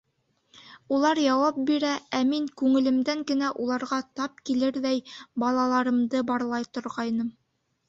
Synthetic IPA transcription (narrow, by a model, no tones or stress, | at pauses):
ulˠɑɾjɑwɑp̚biɾææmiŋkʉŋɘ̆lɘ̆md̪æŋɡɘ̆næʔulˠɑɾʁɑt̪ɑp̚kilɘɾðæjbɑlˠɑlˠɑɾɤ̆md̪ɤbɑɾlˠɑjt̪ŏɾʁɑjnɤm